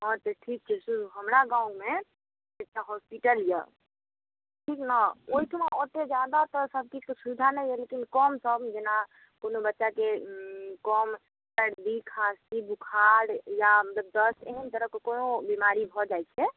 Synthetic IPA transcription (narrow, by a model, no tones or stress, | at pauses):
ɔɾt̪eʈʰik̚t͡ʃʰɛsuɾuɦəmɾaɡãũme | ek̚ʈaɦɔspiʈəljə̰ | ʈʰiknaoiʈʰmaot̪ed͡ʒjad̪at̪ɔsəb̚ʱkisud̪ʱanɛjɦelekinkɔmsəbd͡ʒena | konobətːʃake | kɔm | səɾd̪ikʰasibukʰaɾjamət̪ləb̚d̪əseɦənt̪əɾəkkonobimaɾibʱɔd͡ʒajt͡ʃʰɛ